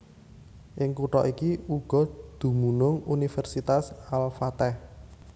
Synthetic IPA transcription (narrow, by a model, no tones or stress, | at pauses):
ʔɪŋkuʈɔ̰ʔikiuɡ̥ɔ̤d̪̥ṳmunʊŋunifɛrsit̪asalfat̪ɛh